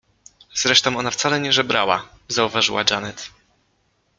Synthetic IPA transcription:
z̥ɾɛʂt̪ɔ̃w̃ɔnaft̪salɛɲɛʐɛbɾawa̰ | zauvaʐɨ̰wad͡ʒanɛt̪

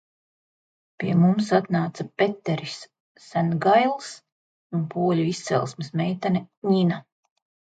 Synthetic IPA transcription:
piɛmums̬at̪naːt̪sapet̪ːeɾisː | ænɡajlˠs | unpuɔlʲuist̪sɛ̰lˠsmɪsmɛjt̪anʲɛɲina

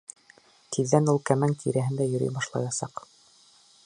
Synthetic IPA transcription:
t̪ʰiðːænulˠkæmæŋk̪ʰiɾæɦɘ̆nd̪æjɵ̆ɾy̰jbɑʃlˠɑ̰jɑsɑq

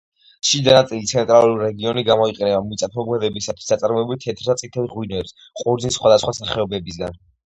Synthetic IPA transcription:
ʃid̪anat̪sʼilit̪sʰɛnt̪ʼɾalˠuɾiɾɛɡiɔniɡamɔiqʼɛnɛbamit̪sʼapʰɔɡwɛd̪ɛbisat̪ʰwi̥sat̪sʼaɾmɔɛbulit̪ʰɛt̪ʰɾt̪at̪sʼit̪ʰɛlʁwinɛps | qʼuɾd̪znisχwad̪asχwasaχɛɔbɛbis̬ɡa̰n

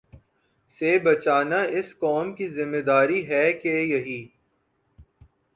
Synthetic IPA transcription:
sebɐt͡ʃaːnaɪskɔːmkizɪmːed̪aːɾiɦɛkejɐɦiː

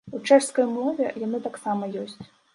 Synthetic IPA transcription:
ut͡ʂɛʂskɐjmlˠɔvʲɛjanɨt̪aksamɐjɔsʲt͡sʲ

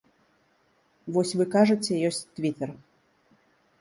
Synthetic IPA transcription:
vɔsʲvɨkaʐɨt͡sʲɛjɔsʲt͡sʲt̪vʲit̪ɛr

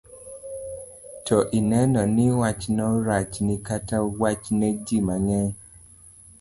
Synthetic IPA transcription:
tʰoʔinɛnɔniwat͡ʃnɔɾat͡ʃnikatawat͡ʃned͡ʒimaŋɛ

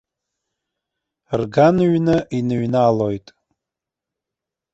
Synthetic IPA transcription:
rɡanɥnɨʔinɨɥnalojtʼ

